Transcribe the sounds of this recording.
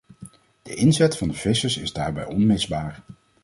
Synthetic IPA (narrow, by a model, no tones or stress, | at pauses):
d̥əʔɪnzɛtfɑndəv̥ɪsəɹsɪzdaːɹbɛ̰jɔnmɪzbaːɹ